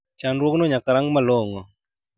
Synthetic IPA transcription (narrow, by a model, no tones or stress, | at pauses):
t͡ʃanɾwoknoɲakaɾaŋɡmaloŋɔ